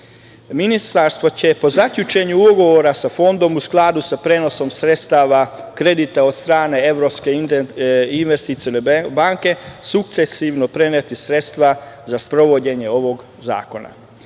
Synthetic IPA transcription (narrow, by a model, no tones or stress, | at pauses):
minist̪aɾst̪ʋo̞t͡ɕe̞po̞zakʎut͡ʃe̞ɲuuɡo̞ʋo̞ɾasafo̞nd̪o̞musklˠaːd̪usapɾeːno̞so̞msɾe̞t̪st̪aːʋakɾe̞d̪it̪ao̞d̪st̪ɾaːne̞e̞ʋɾo̞pske̞ | inʋest̪it̪sionebaŋke̞suk̚t̪se̞siʋno̞pɾe̞net̪isɾe̞t̪st̪ʋazaspɾo̞ʋo̞d͡ʑe̞ɲe̞o̞ʋo̞ɡ | za̰ːko̞na̰